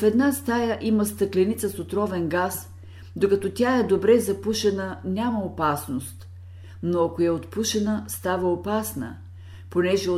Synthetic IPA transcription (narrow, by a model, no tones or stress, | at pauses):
fɛd̪nast̪ajəʔiməst̪əklʲɛnit̪səsot̪ɾɔvɛnɡas | d̪okɐt̪ɔt̪ʲaɛd̪obɾɛzɐpuʃɛnənʲaməopasnost̪ | noɐkoɛot̪puʃɛnəst̪avəopasnə̰ | ponɛʒɛ